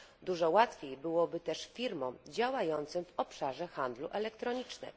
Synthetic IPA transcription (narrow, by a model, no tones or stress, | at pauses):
d̪uʐɔwat̪fʲjejbɘwɔbɘt̪ɛʂfʲiɾmɔ̃md͡ʑawajɔnt̪sɘmvɔpʂaʐɛxand̪luʔɛlɛkt̪ɾɔɲit͡ʂnɘ̰m